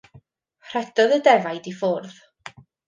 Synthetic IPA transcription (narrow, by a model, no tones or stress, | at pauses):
r̥ɛd̥ɔðədɛvajdifoːrð